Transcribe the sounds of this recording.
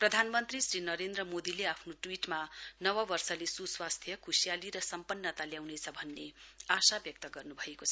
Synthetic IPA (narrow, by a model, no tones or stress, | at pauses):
prʌd̪ʱanmʌnt̪risrinʌɾend̪rʌmod̪ileapʰnoʈwiʈmanʌwʌbʌrsʌlesuswast̪ʰjʌkʰusijaliɾʌsʌmpʌnːʌt̪aljawnet͡sʰʌbʱʌnːeasabjʌk̚t̪ʌɡʌrnubʱʌekot͡sʰʌ̥